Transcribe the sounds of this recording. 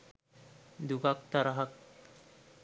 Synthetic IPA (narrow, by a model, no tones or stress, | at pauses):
d̪ukak̚t̪aɾaɦak̚